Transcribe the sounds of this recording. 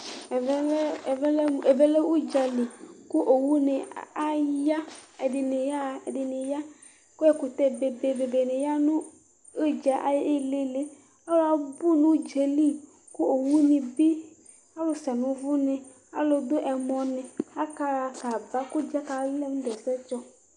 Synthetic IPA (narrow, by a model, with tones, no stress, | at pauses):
ve˦le˨be˦le˦wu˦d͡ʒa˨li˨ku˦ʔo˨wu˦nɪ˨a˦ja˦e˨dɪ˨nɪ˨ja˦˨dɪ˨nɪ̃˨ja˦ | ko˦ɛ˦ku˨t̪ɛ˦be˨be˨be˨be˨nɪ̃˨ja˦nũ˦ | e˦d͡ʒa˨ʔa̰˦je˦le˦le˦ | a˦lo˦a˨bu˦nũ˦d͡ʒe˨li˦ | ku˦o˨wu˦nĩ˨bi˦ | a˦lo˨sɛ˨nũ˨vu˦nẽ˨ | a̰˦lo˨d̪o˦ʔɛ˨mɔ̃˨nẽ˨a˦ka˦ɾa˨ka˨ba˦ku˦d͡ʒa˦ka˨˦le˦m̃˦d̪ɛ˨sɛ˦t͡ʃɔ˦